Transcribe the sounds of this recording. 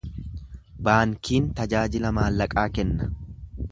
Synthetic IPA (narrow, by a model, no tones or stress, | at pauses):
baːŋkiːnt̪ɐd͡ʒaːd͡ʒɪlɐmaːlːɐkʼaːkɛnːɐ̥